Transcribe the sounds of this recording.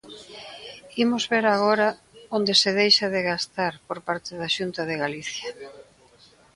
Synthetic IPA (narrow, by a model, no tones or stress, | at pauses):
imʊzβeɾaɣ̞oɾɐ | ond̪eseðejʃaðeɣast̪aɾpoɾpaɾt̪ɪðaʃunt̪ɐðeɣaliθjɐ